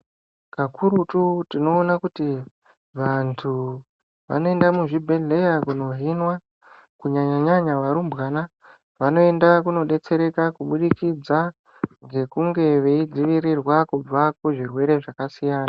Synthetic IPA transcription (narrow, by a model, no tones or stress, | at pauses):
kakʰuɾututino̞ːnakuti | ʋantʰu | ʋa̰no̞e̞ndamuʐibʱe̞ɮe̞jakuno̞ɦinwa | kuɲaɲaɲaɲaʋaɾumbɣaːna | ʋano̞e̞ndakuno̞ɗe̞t͡se̞ɾe̞kakuɓuɗikid͡za | ŋɡe̞kuŋɡe̞ʋe̞id͡ziʋiɾirwakub͡vakuʐirwe̞ɾe̞ʐakasijaːna